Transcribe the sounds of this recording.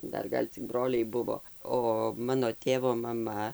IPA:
ˈdɐr ˈɡɐlʲ t͡sʲɪk ˈbroːlʲɛɪ ˈbʊʋoː ˈoː ˈmɑːnoː ˈtʲeːʋoː mɐˈmɐ

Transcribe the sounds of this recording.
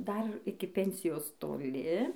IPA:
ˈdɐr ˈɪkʲɪ ˈpʲɛnʲsʲɪjoːs toːˈlʲɪ

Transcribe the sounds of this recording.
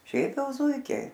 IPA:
ˈʃʲɛɪp ˈjɛʊ ˈzuːɪkʲɛɪ

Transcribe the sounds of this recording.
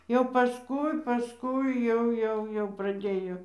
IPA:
jɛʊ pɐˈskʊɪ pɐˈskʊɪ ˈjɛʊ ˈjɛʊ jɛʊ prɐˈdʲeːjoː

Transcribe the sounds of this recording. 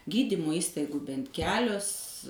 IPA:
ˈɡʲiːdʲiːmʊ ˈiːstɐɪɡʊ ˈbʲɛnt ˈkʲæːlʲʊs

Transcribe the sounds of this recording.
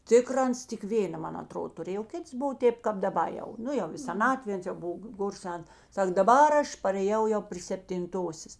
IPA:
ˈtʲɪkrɐ ˈɐns tʲɪk ˈʋʲeːnɐ ˈmɐn ɐˈtroːdoː tʊˈrʲeːj oː ˈkʲɪts ˈbʊʋoː ˈtʲeːp kɐp dɐˈbɐ jɛʊ ˈnʊ jɛʊ ɪ sʲɛˈnɑːtʲʋʲeː ˈɐns jɛʊ ˈbʊw ˈɡoːr ˈsʲɛn ˈsɐk dɐˈbɐr ˈɐʃ pɐrʲeːˈjɛʊ jɛʊ pʲrʲiː sʲɛpʲtʲɪnˈtoːsʲeːs

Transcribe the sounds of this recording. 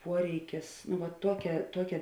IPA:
ˈpuɔrʲɛɪkʲɪs nʊ ʋɐ ˈtuɔkʲɛ ˈtuɔkʲɛ

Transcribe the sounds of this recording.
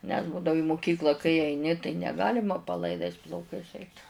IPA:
nʲɛs ˈbuːdɐʋʊ ɪ mʊˈkʲiːklˠɐ kɐɪ ɐɪˈnʲɪ tɐɪ nʲɛˈɡɑːlʲɪmɐ pɐlˠɐɪˈdɐɪs plˠɐʊˈkɐɪs ˈɛɪt

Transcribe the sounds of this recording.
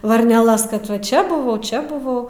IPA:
ʋɐrʲnʲɛˈlˠɐs kɐt ʋɐ ˈt͡ʃʲɛ bʊˈʋɐʊ ˈt͡ʃʲɛ bʊˈʋɐʊ

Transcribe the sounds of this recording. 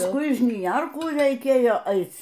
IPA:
pɐsˈkʊɪ ɪ ʒʲnʲɪˈjɛrkuː rʲɛɪˈkʲeːjoː ˈɐɪt͡s

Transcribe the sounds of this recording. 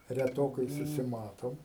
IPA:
rʲɛˈtoːkɐɪ sʊsʲɪˈmɑːtoːm

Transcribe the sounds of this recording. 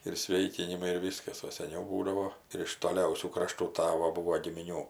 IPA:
ɪr ˈsʲʋʲeːɪkʲɪnʲɪmɐɪ ɪr ˈʋʲiːskɐs oː sʲɛˈnʲɛʊ ˈbuːdɐʋoː ɪr ɪʃ toːˈlʲɛʊsʲuː krɐˈʃtuː ˈtɑːʋoː ˈbʊʋoː ɡʲɪmʲɪˈnʲuː

